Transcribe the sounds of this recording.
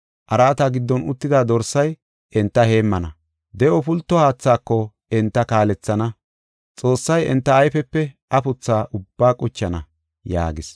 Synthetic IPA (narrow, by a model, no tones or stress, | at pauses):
ʔɐɾaːt̪aːɡɪd̪ːɔnʊt̪ːɪd̪aːd̪ɔɾsɐj | ʔɛnt̪ːɐhe̞ːmːɐnɐ | d̪ɛʔɔpʊlt̪ːɔhaːt͡sːaːkːɔ | ɛnt̪ːɐkaːlɛt͡sːɐnɐ | t͡sʼo̞ːsːɐjɛ̰nt̪ːɐːjfɛpːɛʔɐpʊt͡sːaːʔʊb̥ːaːkʼʊt͡ʃːɐnɐ | ja̰ːɡɪs